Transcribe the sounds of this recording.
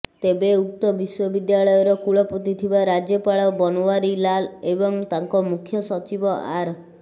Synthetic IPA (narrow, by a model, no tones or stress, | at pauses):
t̪ebeuk̚t̪ɔbiswɔbid̪jaɭɔjɔɾɔkuɭɔput̪it̪ʰibaɾad͡ʒjɔpaɭɔbɔnowaɾilalebɔŋt̪aŋkɔmukʰːjɔsɔt͡ʃibɔʔaɾ